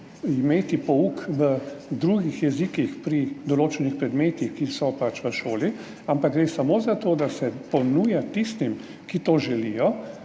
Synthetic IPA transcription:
imeːt̪ipɔukʋəd̪ɾuɡixjɛzikixpɾid̪ɔloːt͡ʃɛnixpɾɛd̪meːt̪ixkisɔpat͡ʃʋəʃoːli | ampaɡɡɾeːsamoːzat̪oːd̪asɛpɔnuːjat̪ist̪im | kit̪oːʒɛlijɔ

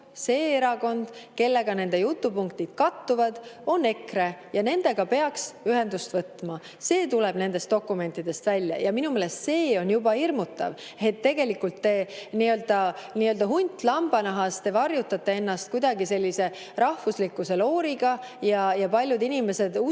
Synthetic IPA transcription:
se̞ːeɾɑɡo̞nd̪̥ke̞lːe̞ɡ̥ɑne̞nd̪e̞jut̪ːupuŋkt̪id̪̥kɑt̪ːuvɑd̪̥o̞nːe̞kre̞jɑne̞nd̪e̞ɡ̥ɑpe̞ɑksyɦe̞nd̪ust̪vɤt̪ːˑmɑ | se̞ːt̪uleb̥ne̞nd̪e̞st̪o̞kːˑume̞nʲt̪ːˑid̪̥e̞st̪vælʲjɑ̰jɑminumeːlest̪se̞ːo̞njubɑirmut̪ːˑɑ̰v | et̪ːe̞ɡ̥e̞likːult̪ːe̞niø̞ld̪̥ɑniøld̪ɑɦunʲt̪ːˑlɑmb̥ɑnɑɦɑst̪e̞vɑrjut̪ːˑɑt̪ˑːe̞e̞nːɑst̪̚kujd̪̥ɑɡise̞lʲːise̞ | rɑhvuslikːˑuse̞lo̞ːɾiɡ̥ɑ | jɑjɑpɑlʲjud̪inʲime̞se̞d̪u

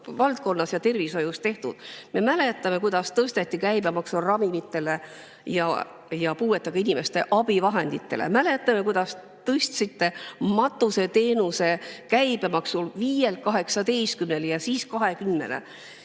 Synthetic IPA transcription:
vɑlt̪̚ko̞nːɑsjɑt̪e̞rviso̞just̪e̞ht̪ud̪̥me̞mæle̞t̪ːˑɑme̞kujd̪̥ɑst̪ɤst̪et̪ˑːikæjb̥e̞mɑksurɑmimit̪ːˑe̞le̞ | jɑ̰ | jɑpuːwe̞t̪ːˑɑɡɑinʲimest̪e̞ʔɑb̥ivɑɦe̞nd̪̥it̪ːe̞̰lḛmæle̞t̪ːˑɑme̞kujd̪̥ɑs | t̪ɤst̪sit̪ːe̞mɑt̪ːˑuse̞t̪e̞ːnuse̞kæjb̥e̞mɑksulviːjelkɑɦe̞ksɑt̪e̞jskymneljɑsiːskɑɦe̞kymːe̞̰lḛ

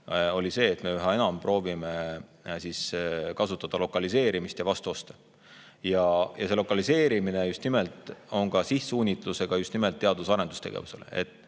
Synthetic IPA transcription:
o̞lʲise̞ːt̪ːme̞æɦɑe̞nɑmpro̞ːvime̞siskɑsut̪ːˑɑd̪̥ɑlo̞kːˑɑlise̞ːɾimist̪jɑvɑst̪uo̞st̪e̥ | jɑjɑse̞lo̞kːˑɑlise̞ːɾimine̞just̪nimelt̪ˑo̞ŋɡ̥ɑsihsuːnʲit̪ˑluse̞ɡ̥ɑjust̪nimelt̪ːeɑd̪̥usɑɾe̞nd̪ust̪e̞ɡ̥ḛvuse̞lḛe̞̰t̪ːˑ

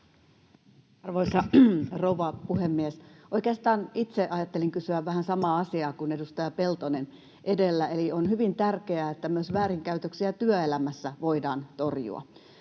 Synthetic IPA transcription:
ɑrʋoisɑrouʋɑpuhemːiesoikeɑst̪ɑːnit̪seʔɑjɑt̪ːeliŋkysyæʋʋæhænsɑmɑːɑsiɑːkune̞dust̪ɑjɑpe̞lt̪onen | ʔedelːæelionhyʋint̪ærkeæːet̪ːæmyøsʋæːɾiŋkæyt̪øksiæt̪yøelæmæsːæʋoidɑːnt̪o̞rjṵɑ̰

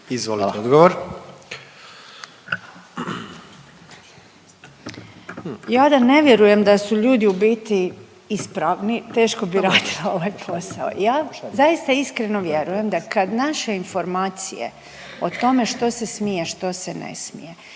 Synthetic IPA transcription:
izʋoliod̪ɡoʋoɾ | jaːd̪ane̞ʋjeɾuje̞md̪asuʎuːd̪iubiːt̪i | ispɾaʋnit̪e̞ːʃko̞biɾaːd̪ilao̞ʋajpʰo̞sao̰jaːzaist̪aiskɾeno̞ʋje̞ɾuje̞md̪akad̪naʃe̞info̞ɾmaːt̪sḭjḛ | o̞t̪o̞me̞ʃt̪o̞se̞smijeʃt̪o̞senḛsmḭje

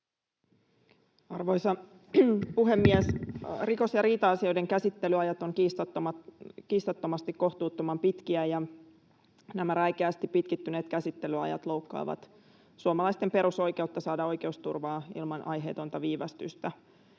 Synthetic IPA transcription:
ɑrʋo̞jsɑ | puɦemːiesriko̞sjɑɾiːt̪ɑɑsio̞jde̞ŋkæsit̪ːe̞lyɑjɑt̪oŋkist̪t̪ːomɑkiːst̪ot̪ːomɑst̪ikko̞ht̪uːt̪ːomɑmpit̪kiæjɑ | næmæræjk̟eæst̪ippit̪kit̪ːyneːt̪kæsit̪ːe̞lyɑ̰jɑ̰t̪lo̞uwkːɑ̰ːʋɑ̰t̪ | suomɑlɑjst̪empe̞ɾuso̞jke̞ut̪ːɑsɑːdɑo̞jke̞ust̪urʋɑːḭlmɑnʔɑ̰jɦḛːt̪o̞nt̪ɑʋiːʋɑst̪y̰st̪æ

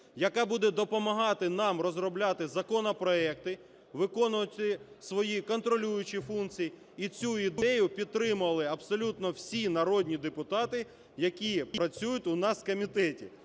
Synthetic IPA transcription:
jɐkɑbud̪ɛd̪ɔpɔmɐɦɑt̪ɪnɑmrɔzrɔblʲɑt̪ɪzɐkɔnɔpɾɔɛkt̪ɪ | ʋɪkɔnʊʋɐt̪ʲɪsʋɔjikɔnt̪ɾɔlʲujʊt͡ʃifunkt͡sʲiji | it͡sʲuid̪ɛjʊpʲid̪̚t̪ːɾɪmʊɐlˠɪɐbsɔlʲut̪nɔwsʲinɐɾɔdʲnʲid̪epʊt̪ɑt̪ɪ | jɐkʲipɾɐt͡sʲujʊtʲʊnɑskɔmʲit̪ɛtʲḭ

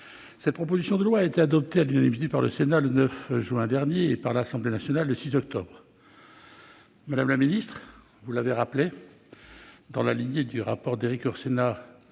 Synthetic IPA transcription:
sɛt̪̚pχɔp̬ozisjɔ̃d̪əlwaːet̪ead̪ɔp̚t̪ealynanimit̪̬epaʁləsenalənœfʒɥɛ̃d̪ɛʁnjeːpaʁlasɑ̃blenasjɔnalːəsizɔk̚t̪ɔ̰bʁ | mad̪amlaminist̪χ | vulaveʁaple | d̪ɑ̃lalinjed̪yʁapɔʁd̪eʁikɔʁsena

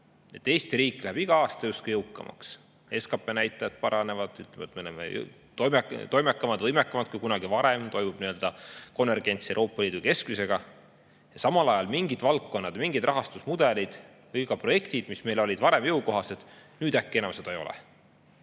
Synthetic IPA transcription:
e̞t̪ːe̞ːst̪iɾiːkˑːlæhæb̥iɡ̥ɑɑːst̪ɑjust̪̚kujɤwkːˑɑ̰mʔɑ̰ks | e̞skɑpˑe̞næjt̪ːˑɑjɑd̪̥pɑɾɑne̞vɑd̪̥yt̪lemɑt̪meolemḛj̰ | t̪ojmet̪o̞jmekːˑɑmɑd̪̥vɤjmekːˑɑmɑd̪̥kujkunɑɡ̥ivɑɾemt̪o̞jmub̥niø̞ld̪ɑko̞nve̞rɡ̥e̞nʲt̪siewɾo̞ːpːˑɑliːd̪uke̞skmise̞ɡ̥ɑ | jɑsɑmɑlɑjɑlmiŋɡid̪̥vɑltːo̞nːɑd̪̥miŋɡ̥id̪ɾrɑɦɑst̪usmud̪̥e̞lid̪̥ | vɤjɡɑpro̞je̞kt̪id̪̥misme̞jlo̞lʲid̪vɑɾe̞mjɤwko̞ɦɑse̞d̪̥nyːd̪̥ækːeenɑ̰msed̪̥ejo̞̰lɛ̰

